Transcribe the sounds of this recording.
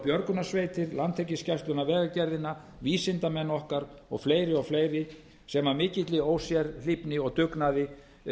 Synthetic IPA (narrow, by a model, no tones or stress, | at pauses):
pjœɾkʏnasvejt̪ɪɾlant̪ʰecːɪscast̪ʏnavɛːɣacɛɾðɪnːa | viːsɪnt̪amɛnːɔhkaɾɔ̰ɣfleːjɾɪɔɣfleːjɾɪ | sɛmamɪːcɪt̪lɪoːwsjɛɾl̥ɪpnɪɔɣt̪ʏknaðɪ